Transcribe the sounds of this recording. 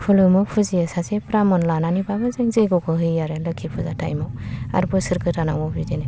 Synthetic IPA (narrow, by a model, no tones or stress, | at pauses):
pʰulɯmɯpʰuziasasepɾamɔnlananibabɯzaŋzeɡɔkʰɯɦɯjaɾelɯkʰipʰuzatʰa̰jmɔa̰ɾbɯsɯɾkʰɯtanaŋmɔbidene